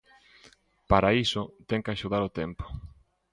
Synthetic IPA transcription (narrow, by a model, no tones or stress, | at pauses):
paɾaisʊt̪ɛŋkɪaʃuð̞aɾot̪ɛmpo̥